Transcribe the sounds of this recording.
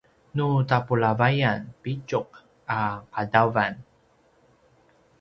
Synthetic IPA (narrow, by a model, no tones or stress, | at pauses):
nutapulavajanpit͡ʃuq̚ | aqadavan